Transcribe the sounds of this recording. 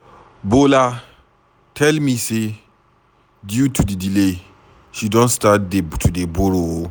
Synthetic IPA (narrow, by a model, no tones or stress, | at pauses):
bola | tʰɛlmise | djutʰudidile | ʃidɔ̃nstatdetʰudeboɾo